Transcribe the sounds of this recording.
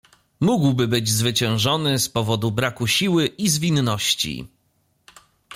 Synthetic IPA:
muɡwbɘbɘd͡ʑzvɘt͡ɕɛ̃w̃ʐɔnɘspɔvɔd̪ubɾakuɕiwɘʔizvʲinːɔɕt͡ɕḭ

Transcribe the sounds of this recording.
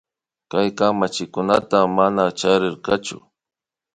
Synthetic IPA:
kajkamat͡ʃɪkʊnat̪amanat͡ʃaɾɪɾqat͡ʃʊ̰

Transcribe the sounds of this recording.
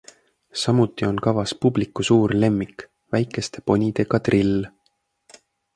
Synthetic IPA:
sɑmut̪ˑːio̞nkɑvɑspublikːusuːɾle̞mːik | væjkˑe̞st̪e̞po̞nʲid̪̥e̞kɑd̪rilː

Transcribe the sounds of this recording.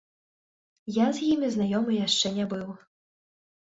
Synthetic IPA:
jazʲjimʲiznajɔmɨjaʂt͡ʂɛnʲɛbɨw

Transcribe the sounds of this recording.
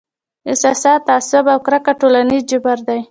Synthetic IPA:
ɪsɑsɑt̪ɑsʊbawkɾakaʈolanizd͡ʒɪbaɾd̪aj

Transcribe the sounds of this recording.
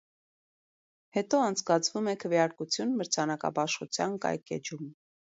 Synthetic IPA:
hɛt̪ɔɑnt͡sʰkɑt͡sʰvumɛkʰəvjɑɾkut͡sʰjunməɾt͡sʰɑnɑkɑ̰bɑʃχut͡sʰjɑnkɑ̰jkɛ̰d͡ʒum

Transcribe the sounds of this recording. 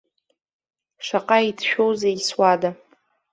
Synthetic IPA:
ʂaqʼaitʰʃᶣowzaiswada

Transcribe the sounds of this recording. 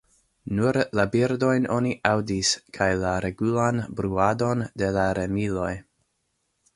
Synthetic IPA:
nuɾlabiɾdo̞jno̞niʔawdiskʰajlaɾe̞ɡulanbɾuado̞nde̞laɾe̞milo̞j

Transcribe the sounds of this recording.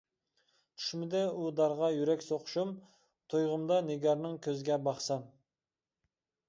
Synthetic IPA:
t̪ʰy̥ʃmɪd̪ɛud̪ɑɾʁɑjyɾɛkʲsoqʰʊ̥ʃum | t̪ʰojʁəmd̪ɑneɡʲɑɾnɨŋkʲʰøzɪɡʲɛbɑχsɑm

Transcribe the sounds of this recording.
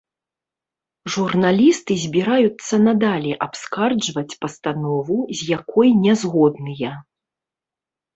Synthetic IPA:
ʐurnalʲist̪ɨzʲbʲiɾajut̪sːɐnɐd̪alʲɛʔapskard͡ʐvɐt͡sʲpɐst̪anɔvuzʲjakɔjnʲɛzɣɔd̪nɨjɐ

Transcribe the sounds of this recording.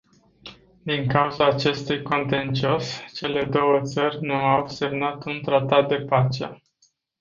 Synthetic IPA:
d̪iŋkauzaːt͡ʃe̞st̪ujko̞nt̪e̞nt͡ʃio̞st͡ʃe̞le̞d̪o̞wət̪sərʲnuawse̞mnat̪unt̪ɾat̪at̪̚d̪e̞pat͡ʃḛ

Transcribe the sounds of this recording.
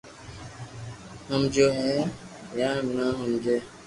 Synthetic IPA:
həmd͡ʒoɦɛ | jamnãɦũmd͡ʒe

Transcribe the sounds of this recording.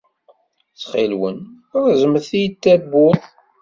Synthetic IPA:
t͡sːχilwə̰n | ɾzəməθijət̪ːæbotˤ

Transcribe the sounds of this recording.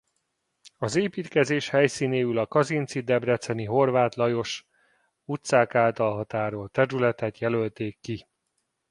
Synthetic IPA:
ɒzeːpiːt̪kɛzeːʃhɛjsiːneːylɒkɒzint̪sid̪ɛbrɛt̪sɛniɦo̞rvaːt̪lɒjo̞ʃ | ut̪saːkaːlt̪ɒlɦɒt̪aːɾoːlt̪ɛɾylɛt̪ɛt̪jɛlø̞lt̪eːkːi

